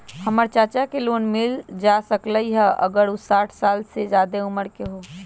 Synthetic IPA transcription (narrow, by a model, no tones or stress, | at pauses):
həməɾt͡ʃaːt͡ʃakeloːnmɪld͡ʒaːsəkləiɦɛʔə̰ɡəɾusaːʈʰsaːlsed͡ʒjaːd̪eʊməɾkeɦoː